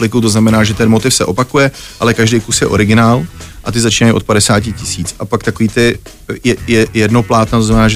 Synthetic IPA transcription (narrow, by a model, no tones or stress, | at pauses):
plɪkut̪oznamɛnaːʒɛt̪ɛnmo̞t̪ɪfsɛʔo̞pakujɛʔalɛkaʒdɛjkusjɛʔo̞̰ɾɪɡɪnaːlʔat̪ɪzat͡ʃiːnajʔo̞t̪̚padɛsaːc̬ɪcɪsiːt͡sapakt̪akoviːt̪ɪ | jɛjɛjɛdnoplaːt̪nat̪oznamɛnaːʒ